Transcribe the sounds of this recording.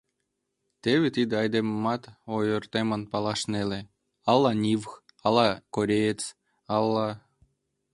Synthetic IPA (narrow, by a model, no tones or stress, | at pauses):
t̪eβʲet̪id̪ɑjd̪emmɑt̪ojort̪emə̆npɑlˠɑʃnelʲe | ɑlˠːɑnʲiʋx | ɑlˠɑkoɾʲejet͡s | ɑlˠːɑ